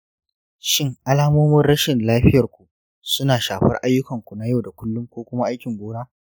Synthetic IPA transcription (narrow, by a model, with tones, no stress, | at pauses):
ʃɪ˦ŋʔa˦laː˦moː˦mɐ˦nɽɐ˦ʃɪ˨nlaː˦ɸɪ˦jɐ˨rkʷu˨ | sʊ˦naː˨ʃaː˨ɸɐ˦rʔa˦jːʊ˦kɐ˨ŋkʷu˨na˦ja˦wda˨kʷʊ˦lːʊ˦ŋkʷoː˦kʷʊ˦ma˦ʔa˦jkʲɪ˨ŋɡʷoː˦naː˦